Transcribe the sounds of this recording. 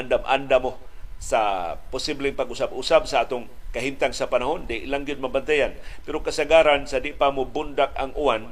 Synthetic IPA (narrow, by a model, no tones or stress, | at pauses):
ndamʔa̰ndamosapʊsiblɪŋpaɡʊsabusabsaaːt̪ʊŋkaɦimt̪aŋsapanaɦondaiʔlaŋɡjʊd̪̚mabant̪ajanpeɾokasaɡaɾansadɪʔpamʊbʊndak̚a̰ŋʔuan